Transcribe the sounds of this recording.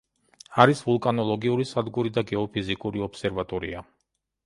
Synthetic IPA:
aɾisvulˠkʼanɔlˠɔɡiuɾisad̪ɡuɾid̪aɡɛɔpʰizikʼuɾiɔpsɛɾvat̪ʼɔɾia

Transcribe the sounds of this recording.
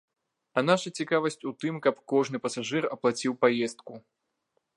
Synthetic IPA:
ɐnaʂɐt͡sʲikavɐsʲt͡sʲut̪ɨmkɐpkɔʐnɨpɐsaʐɨrɐplˠat͡sʲiwpajɛst̪̚ku

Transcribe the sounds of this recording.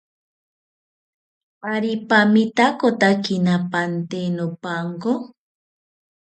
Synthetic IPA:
paɾipamit̪akot̪akinapant̪enopaŋko

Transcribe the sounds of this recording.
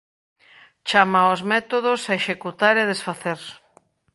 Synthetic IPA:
t͡ʃamaozmɛt̪oð̞osaeʃekut̪aɾeð̞esfaθeɾ

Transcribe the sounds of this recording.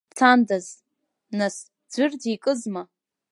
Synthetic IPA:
t͡sʰandaz | nas | d͡ʒʷɨrdʰikʼɨzma

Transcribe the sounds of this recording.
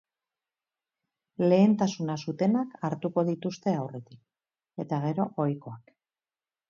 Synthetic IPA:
le̞ːnt̪asunasut̪e̞nakaɾt̪uko̞ðit̪ust̪e̞awre̞t̪ik̚ | e̞t̪aɣ̞e̞ɾo̞ʔojko̞ak

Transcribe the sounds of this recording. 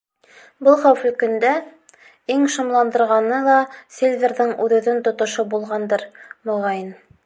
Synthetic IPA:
bɤlˠχæwfɵ̆lkɵ̆nd̪æ | iŋʃŏmlˠɑnd̪ɤ̆ɾʁɑnɤlˠɑsʲelʲvʲerðɘŋʉðɘ̆ðɘnt̪ŏt̪ŏʃobulˠʁɑnd̪ɤɾmŏʁɑjin

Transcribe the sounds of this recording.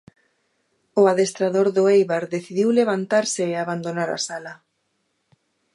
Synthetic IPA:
ʊaðest̪ɾaðoɾðʊejβaɾðeθiðiwleβ̞ant̪aɾsɪːaβand̪onaɾa̰sala

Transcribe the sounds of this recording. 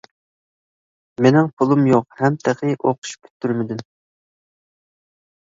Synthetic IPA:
menɪŋpʰʊlˠumjoqhɛmt̪ʰeqʰɪʔoqʰʊ̥ʃkʲʰy̥t̪ʰːyɾmɪd̪ɪm

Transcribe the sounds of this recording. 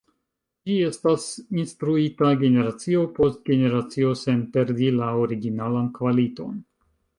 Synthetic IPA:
d͡ʒie̞stasinstɾuitaɡe̞ne̞ɾat͡sio̞po̞st̚ɡe̞ne̞ɾat͡sio̞se̞npe̞ɾdilaoɾiɡinalankvalito̞̰n

